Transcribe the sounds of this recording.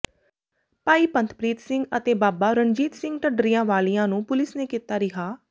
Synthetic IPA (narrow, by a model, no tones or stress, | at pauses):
paːiːpə̃nt̪ʰpɾiːt̪sɪ̃ŋɡət̪eːbaːbaːɾənd͡ʒiːt̪sɪ̃ŋɡʈəɖɾijãːʋaːliːãːnũːpʊlɪsneːkiːt̪aːɾɪɦaː